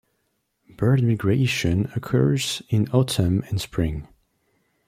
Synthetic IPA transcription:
b̥ɜ˞dmɪɡɹeʃɨ̃nəkʰɜ̰˞z̥ɪ̃nɔtʰə̃mɨ̃nspʰɹɪ̃ŋ

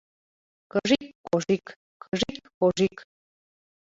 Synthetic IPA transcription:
kəʐikkoʐik | kəʒikkoʒik

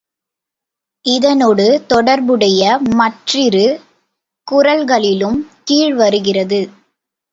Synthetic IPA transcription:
ɪðɐnoɽɯt̪ɔɽɐɾbɯɽɐjɐmɐʈrɪɾɯ | kʊɾɐlɣɐɭɪlɯmkiːɻʋɐɾɯɣɪrɐðɯ

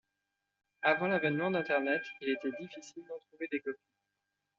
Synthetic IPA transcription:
avɑ̃lavɛnmɑ̃d̪ɛ̃t̪ɛʁnɛt̪ilet̪ɛd̪ifisild̪ɑ̃t̪χuved̪ekɔpi

